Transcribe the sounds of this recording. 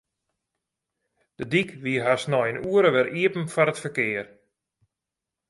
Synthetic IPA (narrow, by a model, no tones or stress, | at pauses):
d̥ədikʋiəɦasnɔjənuəɾəʋɛɾiəpən̩fɔɾətfərkɪːər